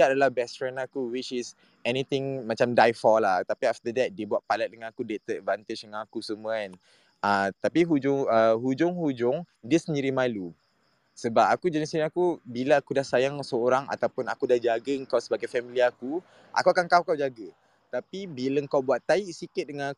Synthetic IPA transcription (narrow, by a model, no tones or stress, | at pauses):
adalahbɛstɾɛnakuwit͡ʃɪs | ɛnit̪ɪ̃ŋmãt͡ʃamdajfɔlaht̪apiaft̪ədɛt̪̚dibuat̪̚palɛt̪̚dəŋãnakudet̪ət̚vãnt̪ɪd͡ʒdəŋãnakusəmũaɛ̃n | ʔat̪apiɦud͡ʒʊŋəɦud͡ʒʊŋhud͡ʒʊŋdisəniɾimajlup̚ | səbap̚akud͡ʒənisinakubilaakudahsajaŋsəoɾaŋa̰t̪awpʊnakudahd͡ʒaɡəəŋkawsəbaɡajfɛmiliaku | ʔa̰kuakankawkawd͡ʒaɡə | t̪apibiləŋkawbuat̪ːaiʔsikɪt̪̚dəŋãn